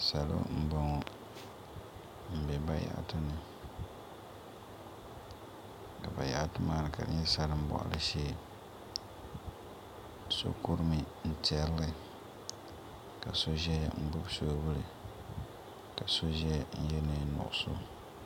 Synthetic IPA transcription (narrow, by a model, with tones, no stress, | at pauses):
sa˨lo̰˦m̩˦ba˦ŋɔ˨ | m̩˨bɛ˨ba˦ja̰˨ʔtɨ˦nɨ˨ | ka˨ba˨ja̰˨ʔtɨ˦maː˦nɨ˨ka˨dɨ˦ɲɛ˦sa˦ɾɨ˦m̩˦bɔ̰˨ʔa̰˨lʔɨ˦ʃeː˦˨ | so̰˦ku˦ɾɨ˦mɨ˨ | n̩˦tɛ˨llɨ˦ | ka˨so˦ʒɛ˦m̩˦bʊ˦bso˦bʊ˦lɨ˨ | ka˨so˦ʒɛ˦n̩˦jɛ˦nɨ˦nʊ̰˨ʔʊ˦so˦